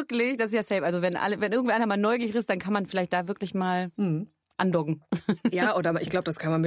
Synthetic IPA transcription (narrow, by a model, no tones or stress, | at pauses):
klɪçd̥asɪsjaːsɛlpʔalzovɛnʔa̰ləvɛnʔɪɐɡŋtʔaɪnɐmaːlnɔʏɡɪçʁɪstd̥ankʰanmanfɪlaɪçtd̥aːvɪɐklɪçmaːl̩ | ʔa̰ndɔɡŋ̩jaːʔoːdɐʔɪçɡ̥laʊbəd̥askʰanmanmɪ